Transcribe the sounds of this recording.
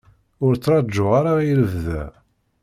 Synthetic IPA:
ʊɾt͡sːɾˤɑd͡ʒːʊʁaɾaiɾəvðæ̰

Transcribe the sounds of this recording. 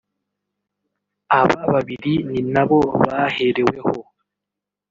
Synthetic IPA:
aβaβaβiɾininaβoβaheɾeweho

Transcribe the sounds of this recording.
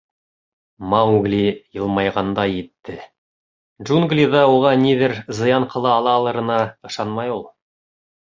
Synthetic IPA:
maɡlʲijɤlˠmɑjʁɑnd̪ɑjet̪ːɪ | ʒuŋɡlʲid̪ɑwoʁɑniðɘɾzɤ̆jɑɴqʰɤ̆lˠɑːlˠɑːlˠɤ̆ɾɤ̆nɑɤ̆ʃɑnmɑjulˠ

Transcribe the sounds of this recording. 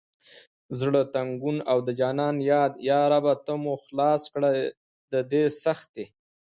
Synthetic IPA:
zɽət̪aŋɡunawd̪əd͡ʒɑnɑnjɑd̪jɑɾabat̪əmuxlɑskɽaj | d̪əd̪esaxt̪̚d̪e

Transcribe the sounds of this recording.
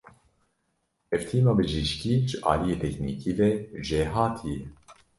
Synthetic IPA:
ɛvt̪ʰiːmɑːbɨʒiʃkiːʒɨʔɑ̰ːlijeːt̪ʰɛknḭːkiːvɛʒeːɦɑːt̪ʰijɛ

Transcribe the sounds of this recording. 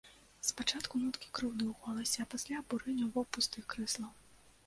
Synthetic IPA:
spat͡ʂat̪kʊnut̪kʲi̥kɾɨwnɨwɣɔlˠɐsʲɐpasʲlʲabuɾɪnʲɔvɔpust̪ɨxkɾɨslˠɐ

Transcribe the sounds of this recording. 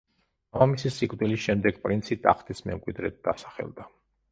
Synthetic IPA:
aamisisikʼvd̪ilisʃɛmd̪ɛɡpʼɾint̪sʰit̪ʼa̰χt̪ʰʼismɛ̰mkʼwid̪ɾɛt̪̚d̪asḁχɛ̰lˠd̪a

